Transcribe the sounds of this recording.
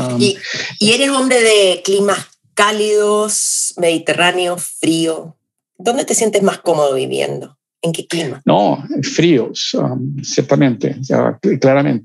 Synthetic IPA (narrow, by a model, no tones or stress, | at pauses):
amiie̞ɾelombɾeðeklimas | kaliðosme̞ðit̪e̞raneo̞fɾio | d̪o̞nd̪e̞t̪esje̞nt̪e̞zmasko̞mo̞ð̞oβḭβjḛnd̪o̞ | eŋkeklimanofɾiosa̰msjeɾt̪amẽnt̪ḛsḛklaɾamḛ̃nt̪e